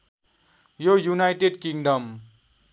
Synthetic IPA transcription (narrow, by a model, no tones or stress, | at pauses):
jojunajʈeɖkiŋɖʌm